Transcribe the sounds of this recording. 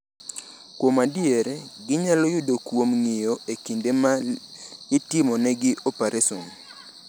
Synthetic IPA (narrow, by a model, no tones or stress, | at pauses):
kwomadieɾeɡɪɲalɔjʊdokwomŋɪjoekindema | ɡɪtɪmɔnɛɡɪʔopeɾʔesɔn